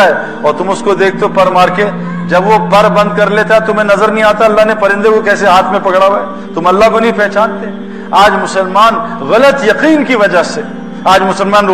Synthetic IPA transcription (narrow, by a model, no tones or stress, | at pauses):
ɦɛ | ɔːɾt̪ʊmʊskod̪eːk̚ʰt̪eopɐɾmaːɾke | d͡ʒɐbʋopɐɾbɐ̃nd̪̚kɐɾleːt̪aɦɛt̪ʊmẽnɐzəɾnɐɦĩaːt̪aɐlːaɦnepɐɾɪ̃nd̪ekokɛːs̬eɦaːt̪ʰmẽpɐkɽaʋa | t̪ʊmɐlːaɦkonɐɦĩpɛɦt͡ʃaːnt̪e | aːd͡ʒmʊsəlmaːnɣɐlət̪jɐqiːnkiʋɐd͡ʒaɦse | aːd͡ʒmʊsəlmaːn